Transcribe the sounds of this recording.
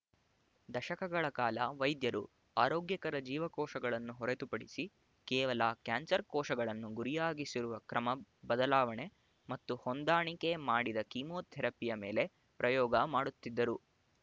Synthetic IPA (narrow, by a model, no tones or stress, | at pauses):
d̪ɐʃɐkɐɡɐɭɐkaːlɐʋɐjd̪jɐɾṵ | aːɾoːɡjɐkɐɾɐd͡ʒiːʋɐkɔːʂɐɡɐɭɐnːuɦɔɾet̪upɐɽisi | kɛːʋɐlakjaːnsɐɾkɔːʃɐɡɐɭɐnːuɡuɾijaːɡisiɾuʋɐkɾɐmɐbɐd̪ɐlaːʋɐɳe | mɐt̪ːuhond̪aːɳike̞maːɽid̪ɐkimoːt̪ʰɛɾɐpːijɐme̞̰ːle̞ | pɾɐjɔːɡɐmaːɽut̪ːid̪ːɐɾu